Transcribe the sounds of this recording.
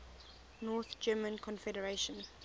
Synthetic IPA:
nɔːˑθd͡ʒɜːmə̃nkʰɔ̃nfɛdəɹeʃə̃n

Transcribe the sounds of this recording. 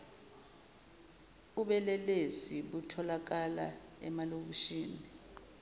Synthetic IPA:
uɓɛlɛleziɓutʰɔlak̬ala̰ɛ̰malok̬uʃiːni

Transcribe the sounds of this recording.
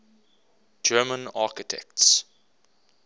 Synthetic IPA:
d͡ʒɜːmə̃naːkɪtʰɛ̰kts

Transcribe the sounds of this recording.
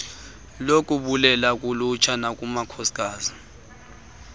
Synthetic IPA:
lokʼuɓulɛlak̬ʼulut͡ʃʰanak̬ʼumakʰɔsi̥kʼaːzi

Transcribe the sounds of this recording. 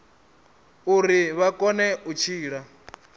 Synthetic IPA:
uɾiβakʼɔnɛut͡ʃʰiːɺa

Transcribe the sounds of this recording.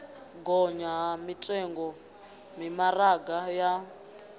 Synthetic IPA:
ɡɔɲaɦmitʼɛŋɡɔ | mimaraɡaja

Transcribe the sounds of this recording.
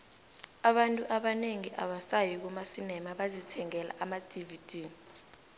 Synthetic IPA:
aɓantʼuʔaɓaneŋiʔa̰ɓasajik̬umasinɛmaɓazitʰɛŋɛla̰ʔamad̥ʱivid̥ʱiːni

